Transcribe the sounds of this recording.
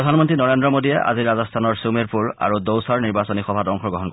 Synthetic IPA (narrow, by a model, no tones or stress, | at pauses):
ɹɔdʱanmɔntɹinɔɹendɹɔmodiɛʔa̰ziɹazɔstʰanɔɹsumeɹpuɹa̰ɹudowsaɹniɹbasɔnixɔbʱatɔŋxɔɡɔɦɔnk